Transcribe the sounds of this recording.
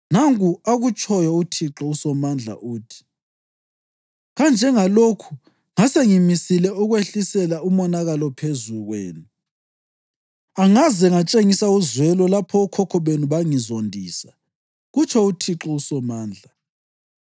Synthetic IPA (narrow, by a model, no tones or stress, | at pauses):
naŋkuaɣut͡ʃʰʼɔjɔutʰiǁɔusɔmand͡ɮʱa̰ʔuːtʰi̥ | ɣand͡ʒʱɛŋalokʰu̥ | ŋaseŋimisilɛuɣweɬisɛlaumɔnaɣalɔpʰezuɣwḛːnu | aŋazɛŋat͡ʃʼeŋisauzwɛlɔlapʰɔukʰɔkʰɔβenuβaŋizondʱiːsa | ɣut͡ʃʰɛutʰiǁɔusɔmaːnd͡ɮʱa